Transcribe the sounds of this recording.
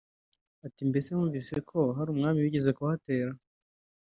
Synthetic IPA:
atimbe̞se̞uːɱvise̞kʰo̞ɦaɾuːmŋaːmiwiɟeze̞kuhate̞ːɾa

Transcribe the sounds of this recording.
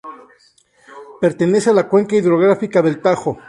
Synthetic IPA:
pe̞ɾt̪e̞ne̞sealakwe̞ŋkaiðɾo̞ɣ̞ɾafikaðe̞lt̪axo

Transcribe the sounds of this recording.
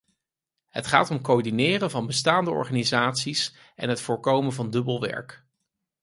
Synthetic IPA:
ɦətχa̰ːtɔmkoɹdinɪːrənvɑnbəstaːndəɔ̰ɹχaːnizaːtsis | ʔɛ̰nɦətfʊːɹkowmənvɑndɵbəlˠʋɛ̰ɹk

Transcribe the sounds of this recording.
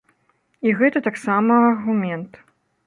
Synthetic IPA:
iɣɛt̪ɐt̪aksamɐɐrɣumʲɛnt̪

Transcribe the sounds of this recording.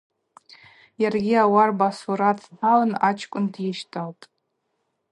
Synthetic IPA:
jarɡʲiawarbasuɾatʰnalanat͡ʃʰkʷʼʊndjɪʃtʰʼawpʼ

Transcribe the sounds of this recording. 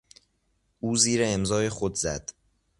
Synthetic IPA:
ʔuːziːɾeːmzɒːjexod̪zæ̰d̪̥

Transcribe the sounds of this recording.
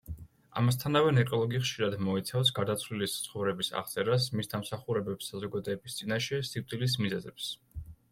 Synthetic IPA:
a̰mas̬t̪ʰanavɛnɛkʼɔlˠɔɡiχʃiɾad̪mɔit̪sʰafs̬ɡaɾd̪at̪sʰvlilist̪sʰχɔvɾɛbisa̰ʁt̪sʼɛɾas̬misd̪amsaχuɾɛbɛpsːazɔɡad̪ɔːbist̪sʼinaʃɛsiwt̪ʼilis̬mizɛzɛps

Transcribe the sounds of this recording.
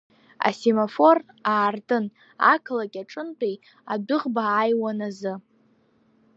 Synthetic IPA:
a̰semofo̞r | aːrdʼɨn | a̰kʰlakʲʼaʈ͡ʂʼɨnt͡pʷʼej | adɨʁbaːjwanazɨ

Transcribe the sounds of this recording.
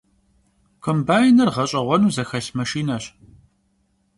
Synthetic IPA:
kʰʷəmbaːjɪnɐrʁɐɕʼɐʁʷɔnuːzɐxɐɬmɐʃiːnɐɕ

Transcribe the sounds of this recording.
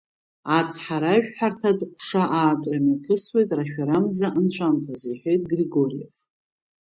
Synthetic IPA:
at͡sʰʼħaɾaʒᶣħartʰadqʷʰʼʂaʔaːtʼramakʲʰɨswe̞jtʼraʃᶣaɾamzaʔɨnt͡ʃʷʰamtʰazijħʷᶣe̞jtʼɡriɡo̞rija̰f

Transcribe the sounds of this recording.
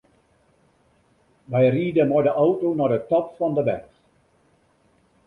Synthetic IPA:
ʋɛjriːdəmɔjdəʔawtownɔdətɔpfɑndəʋɛ̰nt

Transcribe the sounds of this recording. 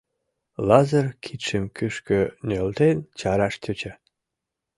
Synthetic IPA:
lɑzərkʰit̪ʃemkyʃkønʲølt̪ent͡ɕɑɾɑʃt̪ʲøt͡ɕa

